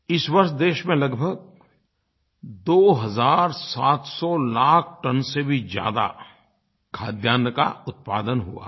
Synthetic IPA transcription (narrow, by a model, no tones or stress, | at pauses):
ɪswɐɾʃd̪eːʃmẽlɐɡbʱəɡ̚ | d̪oːɦɐzaːɾsaːt̪sɔlaːkʰʈɐnsebʱid͡ʒja̰ːd̪a̰ | kʰaːd̪jaːnəka̰ʊt̪̚pa̰ːd̪ənɦṵa̰ː